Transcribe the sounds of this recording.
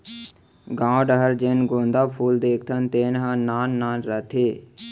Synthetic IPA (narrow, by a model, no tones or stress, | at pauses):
ɡãːɖəɦəɾd͡ʒeːnɡõːnd̪aːpʰuːld̪eːkʰt̪ʰənt̪eːnɦãːaːnːaːnɾət̪ʰeː